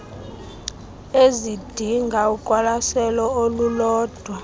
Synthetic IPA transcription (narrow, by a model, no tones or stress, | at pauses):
ezid̥ʱiŋɡʱaukʼwalasɛlɔolulɔːd̥ʱwa